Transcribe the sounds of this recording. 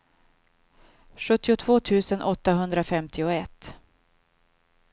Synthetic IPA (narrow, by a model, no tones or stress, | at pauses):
ɧɵt̪ːɪʊt̪ʰv̥oːt̪ʰʉ̟ːsənʔɔt̪ːaɦɵnd̪ɾafɛmt̪ʰɪʊɛt̪ː